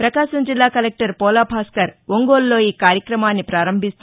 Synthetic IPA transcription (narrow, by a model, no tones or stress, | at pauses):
pɾɐkaːʃɐmd͡ʒilːaːkɐlek̚ʈɐɾpɔːlaːpʰaːskɐɾʋoŋɡoːllo̞ːiːkaːɾjɐkɾɐmaːnːipɾaːɾɐmbʱist̪